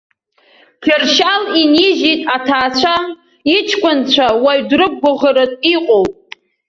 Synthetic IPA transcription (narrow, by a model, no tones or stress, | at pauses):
kʲʰɪrʃaliniʒitʼatʰaːt͡ɕʷʰa | it͡ʃʰkʷʼʊnt͡ɕʷʰawaɥdrɨk̚ʼɡʷʊʁəɾɨtʼiqʼowpʼ